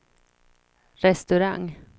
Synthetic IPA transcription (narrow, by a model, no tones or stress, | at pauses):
ɾɛst̪ɵɾaŋ